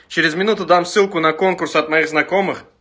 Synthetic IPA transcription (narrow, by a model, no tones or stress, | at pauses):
t͡ɕɪɾʲɪzmʲɪnut̪ʊd̪amsːɨlˠkʊnɐko̞nkʊrsɐt̪mɐiɣznɐko̞mɨχ